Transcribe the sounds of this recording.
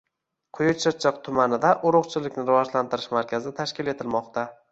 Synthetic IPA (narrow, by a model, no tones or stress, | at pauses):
qʰʊjʊt͡ʃʰɨt͡ʃʰːɨqt̪ʰʊmanɪd̪aʔʊɾʊqt͡ʃʰɪlɪkʲnɪɾɪvɒʒlant̪ʰɪɾɪʃmaɾkʲʰazɪt̪ʰaʃkʲɪle̞t̪ʰɪlmɒqt̪ʰa